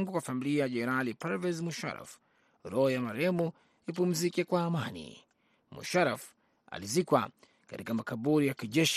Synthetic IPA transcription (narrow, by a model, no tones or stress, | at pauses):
ŋɡukwafamiliajaʄɛnɛɾalipaɾvɛzmuʃa̰ɾa̰f | ɾɔjamaɾɛmu | ipum̩zikɛkwaːmanḭ | mṵʃaɾaf | a̰lizikwa̰ | ka̰tikamakaɓuɾijakiʄɛʃ